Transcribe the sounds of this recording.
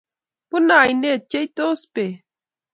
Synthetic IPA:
pʊnaːjnet͡ʃejt̪ospe

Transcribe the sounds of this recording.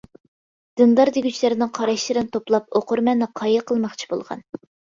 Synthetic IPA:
d̪̥ɨnd̪ɑɾd̪eɡʲyt͡ʃlɪɾɪnɨŋqʰɑɾɑʃlˠɨɾɨnt̪ʰoplˠɑp̚oqʊɾmɛnːɨqʰɑjɨqʰəlˠmɑχt͡ʃʰi̥bo̰lˠʁɑ̰n

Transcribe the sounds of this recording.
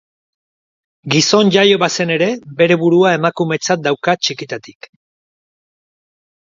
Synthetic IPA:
ɡiso̞nʝajo̞βase̞ne̞ɾe̞be̞ɾe̞βuɾuaemakume̞t͡sat̪̚d̪awkat͡ʃikit̪at̪i̥k

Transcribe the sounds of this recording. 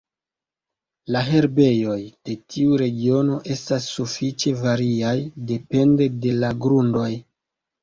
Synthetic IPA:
laɦe̞ɾbe̞jo̞jd̥e̞tʰiuɾe̞ɡio̞no̞ʔe̞stasːufit͡ʃe̞vaɾiajde̞pe̞nde̞de̞laɡɾundo̞j

